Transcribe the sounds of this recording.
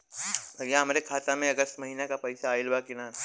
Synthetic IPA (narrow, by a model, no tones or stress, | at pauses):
bʱɐɡjaɦɐmːɾekʰaːt̪amẽɐɡəst̪mɐɦiːnakapɛjsaːɪlbaːkina